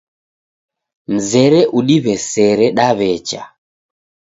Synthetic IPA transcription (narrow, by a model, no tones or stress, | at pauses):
n̩zɛɾɛʔuɗiβɛsɛɾɛɗaβɛt͡ʃa̰